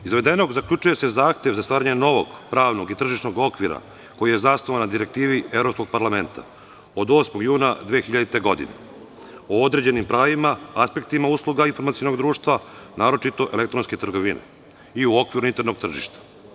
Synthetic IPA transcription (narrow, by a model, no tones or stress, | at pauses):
izʋe̞d̪e̞no̞ɡzakʎut͡ʃuje̞sezaːxt̪e̞ʋzast̪aːɾaɲe̞no̞ʋo̞̰ɡpɾaːʋno̞ɡit̪r̩ʒiʃno̞ɡo̞kʋiɾa̰ | ko̞jije̞zasnoʋanːad̪iɾe̞k̚t̪iːʋievɾo̞psko̞ɡ̚paɾlame̞nt̪a̰ | o̞d̪o̞ːsmo̞ɡjuːnad̪ʋeːxiʎad̪it̪e̞ɡo̞d̪ḭnḛ | ood̪ɾe̞d͡ʑe̞nimpɾaːʋimaaspe̞kt̪imauslˠuɡainfo̞ɾmat̪sijonod̪ɾuːʃt̪ʋanaːɾo̞t͡ʃit̪o̞ʔe̞le̞k̚t̪ɾo̞nske̞t̪rɡo̞ʋinʔḛ | iuo̞kʋiɾuint̪eɾno̞ɡ̚t̪r̩ʒḭʃt̪ḁ